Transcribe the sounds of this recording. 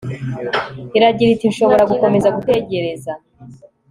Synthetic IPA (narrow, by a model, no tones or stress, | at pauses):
iɾaɟiɾitinʃo̞βo̞ɾaɡuko̞me̞zaɡute̞ɟe̞ɾe̞za